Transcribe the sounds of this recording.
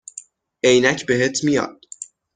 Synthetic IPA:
ʔejnæcʰbe̞ɦet̪ʰmijɒ̰ːd̪̥

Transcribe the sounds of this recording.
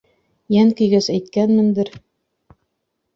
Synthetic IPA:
jæŋkɵ̆jɡæsæjt̪̚kænmɘ̆nd̪ɘɾ

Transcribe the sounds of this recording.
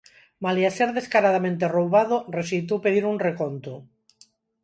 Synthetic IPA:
maliaseɾðeskaɾaðamẽnt̪erowβað̞oresit̪̬owpeðiɾunrekont̪o

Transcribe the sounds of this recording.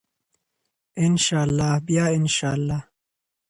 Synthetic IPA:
ɪnʃaːlːaːhbijaːɪnʃaːlːaːh

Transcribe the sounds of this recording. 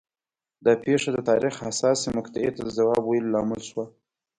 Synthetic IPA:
d̪ɑpeʂad̪ət̪ɑɾixasɑsimʊkt̪aet̪ad̪əzawɑbwajəllɑmɪlʃwa

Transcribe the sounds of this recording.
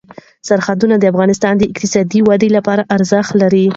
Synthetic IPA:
saɾxad̪unad̪əafɣɑnɪst̪ɑnd̪əɪkt̪ɪsɑd̪iwad̪elapɑɾaʔaɾzəxt̪laɾi

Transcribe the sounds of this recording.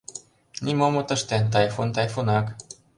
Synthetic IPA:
nʲimomot̪əʃt̪ɛnt̪̬ajfont̪ajfonak

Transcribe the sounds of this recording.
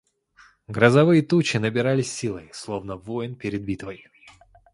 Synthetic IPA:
ɡɾəzɐvɨjət̪ut͡ɕɪnəbʲɪɾalʲɪsʲːilˠəjslˠo̞vnəvojnpʲɪɾʲɪd̪̚bʲit̪vəj

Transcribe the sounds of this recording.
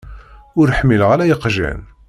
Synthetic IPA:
ʊɾħmːilʁælæjəqʒæ̰n

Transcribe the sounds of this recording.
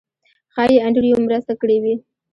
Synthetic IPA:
xɑjeaɳɖɽijomɾəst̪akəɽewi

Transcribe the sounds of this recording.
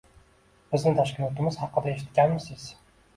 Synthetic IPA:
b̥ɪznɪt̪ʰɑʃkʲɪnɒt̪ɪmɪzhɑqːəd̪ɑeʃɪt̪ɡʲænmɪsɪz̥

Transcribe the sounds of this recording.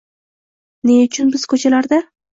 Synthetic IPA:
neʊt͡ʃʰʊnbɪz̥kʰɵt͡ʃʰalaɾd̪a

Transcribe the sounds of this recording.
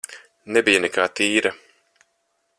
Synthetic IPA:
nɛbijanɛkaːt̪iːɾɐ

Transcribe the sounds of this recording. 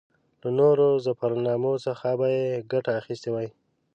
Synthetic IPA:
lanoɾozapaɾnɑmosəxabajeɡaʈaːxist̪ewaj

